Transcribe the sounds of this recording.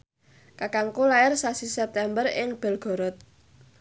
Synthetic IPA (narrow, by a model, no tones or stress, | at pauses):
kakaŋkulaɪrsasisɛp̚t̪ɛmbərɪŋb̥ɛ̤lɡ̥ɔ̤ɾɔt̪̚